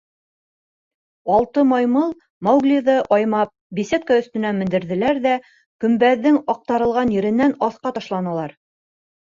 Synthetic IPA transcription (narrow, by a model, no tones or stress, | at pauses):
ɑlˠt̪ɤmɑjmɤlˠ | mɑwɡlʲiðɤʔɒjmɑp̚bisʲet̪̚kɑɵ̆θt̪ɵ̆næmɘ̆nd̪ɘ̆ɾðɘ̆læɾðæ | kɵ̆mbæðːɘŋɑq̚t̪ɑɾɤ̆lˠʁɑnjɘ̆ɾɘ̆nːænɑθqɑt̪ɑʃlˠɑnɑlˠɑɾ